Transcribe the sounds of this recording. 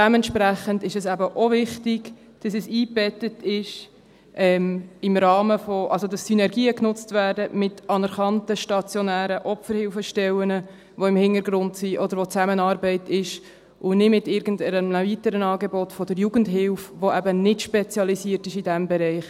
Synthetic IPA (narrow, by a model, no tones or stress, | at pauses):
d̥ɛmɛntʃpɾæχəndɪʃɛsæbəʔovɪχtɪɡ | d̥ɑsɛsiːb̥ɛtətɪʃ | ʔɛːmɪmrɑːməfoʔɑls̬odɑsːynɛɾɡiːəknʊt͡stvæːɾdəmɪtɑnəɾχɑntəʃtɑt͡sjɔnæːɾəʔɔpfəɾhɪlfəʃtɛwənə | ʋoɪmhɪntəɾɡɾʊntsiʔɔdəɾʋot͡sæmənɑːɾbɛɪtɪʃ | ʔʊnɪdmɪtɪɾɡən̩dəəəvitəɾənɑːɡebɔtfɔd̥əɾjuɡəndɦɪlfʋoæbənɪtʃpɛt͡sjɑlisiəɾtɪʃidɛmbɛɾɛɪχ